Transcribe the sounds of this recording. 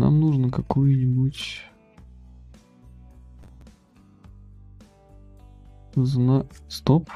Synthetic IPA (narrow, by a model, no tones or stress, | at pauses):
na̰mnuʐnəkɐkojʊnʲɪbutʲ | znast̪op